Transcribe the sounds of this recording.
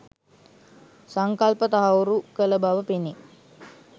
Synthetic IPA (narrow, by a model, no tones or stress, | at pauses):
saŋkalpət̪aɦawɾukələbaʋəpini